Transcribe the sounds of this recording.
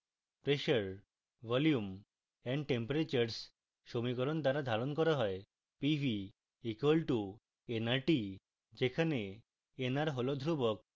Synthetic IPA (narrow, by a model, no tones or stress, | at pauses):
pɾeʃəɾ | bɔljum | ɛɳɖʈempoɾet͡ɕaɾs | ʃomikɔɾont̪aɾad̪ʱaɾonkɔɾaɦɔe | pibʱi | ikwolʈu | enaɾʈi | d͡ʒekʰane | enaɾɦolod̪ʱɾubɔk̚